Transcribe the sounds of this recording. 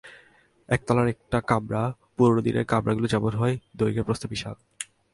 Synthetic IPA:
ɛk̚t̪ɔlaɾɛk̚ʈakamɾa | puɾonod̪inḛɾkamɾaɡulod͡ʑabonɦɔed̪ojɡeɾpɾost̪ʰobiʃa̰l

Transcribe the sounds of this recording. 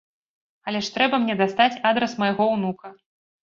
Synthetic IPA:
alʲɛʂt̪ɾɛbɐmnʲɛd̪ast̪at͡sʲad̪ɾɛsmɐjaɣɔwnukɐ

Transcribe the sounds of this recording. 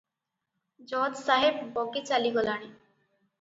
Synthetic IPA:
d͡ʑɔdsaɦeb̚bɔɡet͡ɕaliɡɔlaɽ̃i

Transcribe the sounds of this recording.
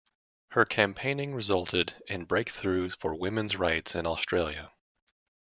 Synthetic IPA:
hə˞kʰæ̃mpʰẽɪ̃nɪ̃ŋɹɨzʌlˠtʰɪɾɨ̃nbɹeɪk̚θɹʉ̥fə˞wɪ̃mɨ̃nzɹaɪtsɨ̃nɔstɹ̥eɪlˠjɨ̰

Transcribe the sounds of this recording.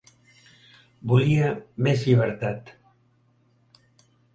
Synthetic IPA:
buliamezʎiβ̞əɾt̪at̪

